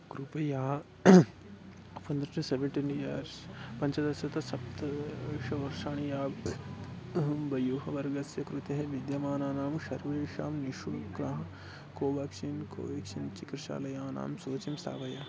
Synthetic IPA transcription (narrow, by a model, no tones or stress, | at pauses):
kɾupɐjaː | pɐnd̪ɐɾʈɐseʋeɳʈinjɐːɾspɐɲt͡ʃɐd̪ɐsɐt̪ɐsɐpt̪ɐʃɐʋɐɾʃaːɳijaːb | ɐɦɐmbɐjoːɦɐʋɐɾɡɐsjɐkɾut̪ɐɦɐʋid̪jɐmaːnaːnaːmʃɐɾʋeːʃaːmniʃuɽkɾɐɦɐ | koːʋɐkʃinko̰ːʋekʃint͡ʃikɾɐʃa̰ːlɐjaːna̰ːmsoːt͡ʃimsa̰ːʋɐjaː